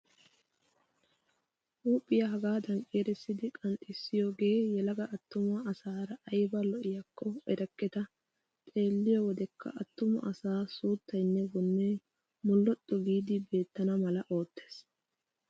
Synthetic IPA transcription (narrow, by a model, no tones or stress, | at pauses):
ʔuːpʼːɪjɐɦɐɡaːd̪ɐŋkʼeːɾɛsːɪd̪ɪkʼɐnt̪ʼɪsːɪjo̞ːɡe̞ːjɛlɐɡɐʔɐt̪ːʊmɐɐsaːɾɐʔɐjbɐlɔʔɪjɐkːɔɛɾɐkːɛt̪ɐ | t̪ʼe̞ːlːɪjɔwɔd̪ɛkːɐ̰ʔɐt̪ːʊmɐ̰ʔɐsaːsuːt̪ːɐjnːɛbɔnːe | mʊlːɔt̪ʼːɔɡiːd̪ɪbe̞ːt̪ːɐnɐmɐlɐʔo̞ːt̪ːe̥ːs